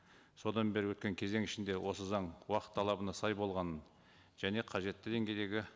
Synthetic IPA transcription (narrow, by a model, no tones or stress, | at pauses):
so̞d̪ɑnbe̞ɾɪwɵt̪̚kʲe̞ŋkʲʰe̞ze̞ŋɪʃɪnd̪e̞wʔo̞səzɑɴwɑqə̥t̪ʰːɑlˠɑbənɑsɑjbo̞lˠʁɑnən | ʒ̥æne̞qʰɑʒe̞t̪ːɪd̪e̞ŋɡʲe̞jd̪e̞ɡʲɪ